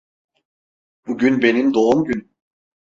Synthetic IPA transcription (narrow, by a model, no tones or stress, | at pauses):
b̥uɟynbe̞nind̪o̞umɟyn